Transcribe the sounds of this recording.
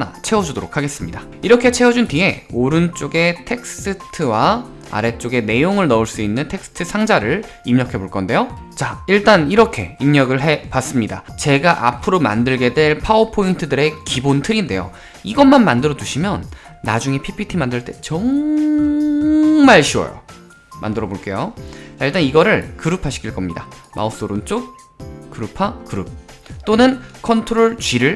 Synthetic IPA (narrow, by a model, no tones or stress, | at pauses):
nat͡ɕʰe̞wʌd͡ʑudoɾokʰaɡe̞s͈ɯmɲida | iɾʌkʰe̞t͡ɕʰe̞ʌd͡ʑuntie̞oɾɯnt͡ɕ͈oɡe̞tʰe̞k̚ss͈ɯtʰɯwa | a̰ɾe̞t͡ɕ͈oɡe̞ne̞joŋɯɭnʌuɭs͈uinːɯntʰe̞ks͈ɯ̥tʰɯsʰaŋd͡ʑaɾɯɭ | imɲʌkʰe̞boɭk͈ʌnde̞jo | t͡ɕaiɭt͈aniɾʌkʰe̞̰imɲʌɡɯɭɦe̞pas͈ɯmɲida̰t͡ɕe̞ɡaʔa̰pʰɯɾoma̰ndɯɭɡe̞dwe̞ɭpʰaopʰointʰɯdɯɾe̞kibontʰɯɾinde̞̰jo̰ | iɡʌnmanmandɯɾʌduɕʰimjʌnː | ad͡ʑuŋe̞pʰipʰitʰimandɯɭt͈e̞t͡ɕʌŋ | maɭɕʰiwʌ̰jo̰ | mʔa̰ndɯɾʌboɭk͈e̞joiɭt͈aniɡʌɾɯɭkɯɾɯpʰaɕʰi̥kʰiɭk͈ʌmɲida̰mʔa̰op̚s͈oɾunt͡ɕ͈ok̚ | k͈ɯɾɯpʰakɯɾɯp̚t͈onɯnkʰʌntʰoɾoɭt͡ɕɥiɾɯɭ